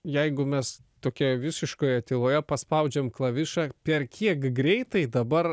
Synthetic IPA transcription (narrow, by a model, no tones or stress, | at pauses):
jɛɪɡʊmʲɛst̪oːkʲɛʋʲɪsʲɪʃkoːjɛt̪ʲɪlˠoːjɛpɐspɐʊd͡ʒʲɛmklˠɐʋʲɪʃɑpʲɛrkʲʰiɛkɡɾʲɛɪt̪ɐɪd̪ɐbɐr